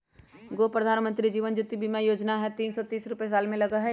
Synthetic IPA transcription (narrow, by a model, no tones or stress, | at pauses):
ɡoːpɾəd̪ʱaːnmə̃nt̪ɾid͡ʒiːʋənd͡ʒʊt̪ibʱimajoːd͡ʒnaɦɛt̪iːnsɔt̪iːsɾʊpes̬aːlmẽlɐɡaɦɛ